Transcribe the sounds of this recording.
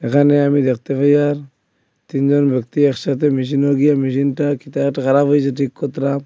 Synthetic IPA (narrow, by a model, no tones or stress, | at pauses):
ekaneamid̪ek̚t̪epajaɾ | t̪ind͡ʒɔnbek̚t̪ieksat̪̬emis̬inoɡijamis̬intakit̪atakaɾabɯjzat̬ikːɔt̪ɾam